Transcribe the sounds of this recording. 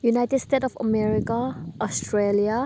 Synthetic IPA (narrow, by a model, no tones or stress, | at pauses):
junajtɛdstetɔfə̰mɛɹikaʔɔstɹelia